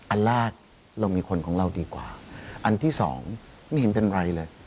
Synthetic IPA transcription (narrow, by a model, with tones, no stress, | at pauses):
ʔa˧nlaː˥˩k̚ | la˧miː˧kʰo˧nkʰɔː˩˦la˧˩wdiː˧kwa̰ː˨˩ʔa˧nt̪ʰiː˥˩sɔ̰ː˩˦ŋma˥˩˨he˩˨˦npe˧nɾa˧jlɤː˧j